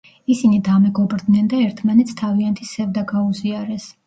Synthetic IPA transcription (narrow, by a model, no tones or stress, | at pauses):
isinid̪amɛɡɔbɾd̪nɛnd̪aɛɾt̪ʰmanɛt̪sʰt̪ʰaviant̪ʰisɛvd̪aɡauziaɾɛs